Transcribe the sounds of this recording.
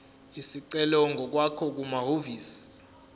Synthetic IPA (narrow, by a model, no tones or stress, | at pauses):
isiǀɛlɔŋɡʱɔk̬wakʰɔk̬umaɦoviːsi̥